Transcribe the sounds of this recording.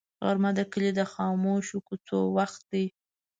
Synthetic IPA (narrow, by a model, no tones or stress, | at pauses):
ɣa̰ɾmad̪əkəlid̪əxɑmoʃukut͡so̰waxt̪̚d̪i